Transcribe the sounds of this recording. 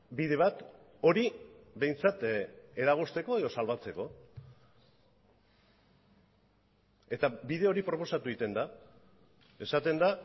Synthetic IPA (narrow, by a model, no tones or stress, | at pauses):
biðe̞β̞at̪ | o̞ɾibe̞jnt͡sat̪e̞ɾaɣ̞ost̪e̞ko̞eð̞o̞salβat͡se̞ko̞ | e̞t̪abiðe̞o̞ɾipɾo̞po̞sat̪uit̪e̞nd̪a | e̞sat̪e̞nd̪a